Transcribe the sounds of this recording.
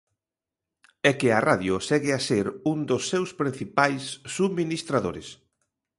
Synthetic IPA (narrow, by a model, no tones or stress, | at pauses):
ɛkɪaraðjʊsɛɣɪaseɾund̪ʊsːewspɾin̟θipajsːuminist̪ɾaðoɾɪs